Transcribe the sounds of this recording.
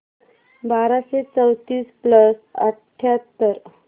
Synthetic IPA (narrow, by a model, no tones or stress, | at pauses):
baɾaɕet͡səwt̪iːspləsə̰ʈʰːjat̪ːəɾ